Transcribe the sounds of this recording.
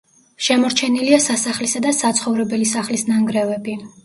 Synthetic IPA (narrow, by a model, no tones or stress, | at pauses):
ʃɛmɔɾt͡ʃʰɛniliasasaχlisad̪asat̪sʰχɔvɾɛbɛlisaχlisnaŋɡɾɛvɛbi